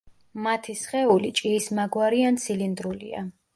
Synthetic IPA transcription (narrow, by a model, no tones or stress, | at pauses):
mat̪ʰisχɛulit͡ʃʼiːsmaɡwaɾiant̪sʰilind̪ɾulḭa̰